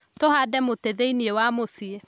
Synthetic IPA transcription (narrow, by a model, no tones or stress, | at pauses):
tohadɛmoteðeiniewamosie